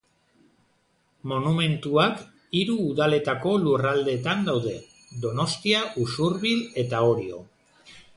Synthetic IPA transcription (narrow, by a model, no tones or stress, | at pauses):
mo̞nume̞nt̪uak | iɾuːðale̞t̪ako̞lurald̪e̞ːt̪and̪awðe̞ | d̪o̞no̞st̪iaʔusuɾβile̞t̪ao̞ɾio̞̰